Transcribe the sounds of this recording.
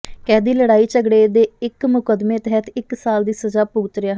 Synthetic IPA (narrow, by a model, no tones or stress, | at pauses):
kɛːd̪iːləɽaːiːt͡ʃəɡɽeːd̪eːɪkmʊkəd̪meːt̪ɦɛːt̪ʰɪksaːld̪iːsəd͡ʒaːpuɡt̪ɾɪjaːɦ